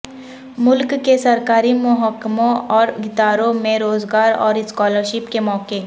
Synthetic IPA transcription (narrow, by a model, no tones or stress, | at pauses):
mʊlkːesɐɾkaːɾimʊɦəkːmõɔːɾɡɪt̪aːɾõmẽɾoːzɡaːɾɔ̰ːɾɪskɔːləɾʃɪpkemɔːke